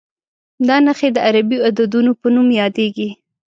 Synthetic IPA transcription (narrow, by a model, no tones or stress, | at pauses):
d̪ɑnaxed̪əaɾabiad̪ad̪unopənumjɑd̪eɡi